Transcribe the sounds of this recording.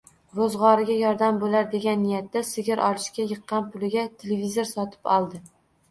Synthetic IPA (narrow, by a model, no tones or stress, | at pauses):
vozʁɒɾɪɡʲajɒɾd̪ambolaɾd̪e̞ɡʲanːɪjat̪ːasɪɡʲɪɾʔɒ̰lˠɪʃkʲajɨqːɑnpʰʊlɪɡʲat̪ʰelevizoɾsɒt̪ʰɪ̥pɒlˠd̪ɪ